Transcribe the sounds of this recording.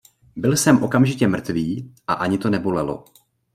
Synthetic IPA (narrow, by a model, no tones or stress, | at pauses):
bɪlsɛmʔo̞kamʒɪcɛmr̩t̪viːʔaʔaɲɪt̪o̞nɛbo̞lɛlo̰